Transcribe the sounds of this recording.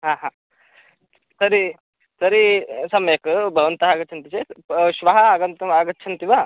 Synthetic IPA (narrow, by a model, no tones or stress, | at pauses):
ɦaːɦaː | sɐɾi | sɐɾisɐmeːkɨbʱɐʋɐnt̪ɐɦaːɡɐt͡ʃʰɐnt̪it͡ʃeʃʋɐɦɐaɡɐnt̪ɐmaːɡɐːt͡ʃʰɐnt̪iʋa